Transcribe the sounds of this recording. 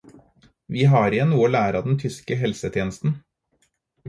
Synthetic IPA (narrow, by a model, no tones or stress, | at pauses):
ʋiːɦɑːɾɪɛnnuːəoːlæːɾɑd̪ɛnt̪ʰʏskəɦɛlsət̪ʰjeːnəst̪n̩